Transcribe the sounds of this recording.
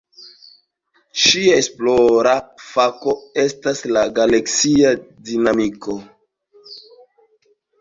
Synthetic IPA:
ʃiaesploɾafako̞estaslaɡaleksiadinamiko

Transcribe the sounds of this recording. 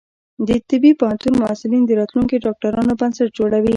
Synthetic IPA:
d̪ət̪ɪbipahant̪unmʊasɪlind̪əɾɑt̪luŋkiɖɑk̚ʈaɾɑnobansaʈ̚d͡ʒoɽawi

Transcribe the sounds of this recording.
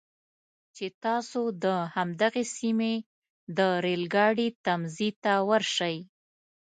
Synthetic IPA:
t͡ʃet̪ɑsod̪əhamd̪aɣesime | d̪əɾelɡɑɽit̪amzit̪awəɾʃaj

